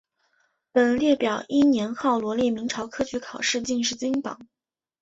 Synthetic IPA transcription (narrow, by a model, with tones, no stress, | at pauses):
pə˨˩nljɛ˥˩pjɑ˨˩ʊi˥njɛ˧˥nxɑ˥˩ʊlwɔ˧˥ljɛ˥˩mi˧˥ŋʈ͡ʂʰɑ˧˥ʊkʰɤ˥t͡ɕʰy˧˥kʰɑ˨˩ʊʂɻ̩˥˧t͡ɕi˥˧ŋʂ̬ɻ̩˥˩t͡ɕi˥ŋpɑ̰˨˩˦ŋ